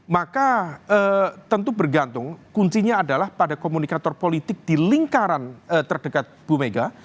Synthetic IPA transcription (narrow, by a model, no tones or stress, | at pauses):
makaət̪ənt̪ubərɡant̪ʊŋkuɲt͡ʃiɲaːdalahpadakomunikat̪ɔrpolit̪ɪk̚d̥iliŋkaɾanət̪ərdəkat̪̚b̥umeɡa